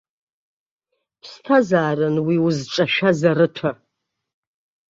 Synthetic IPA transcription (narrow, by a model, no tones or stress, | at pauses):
pʰstʰazaːrɨnwiʊzʈ͡ʂʼaʃᶣazaɾɨtʷʰa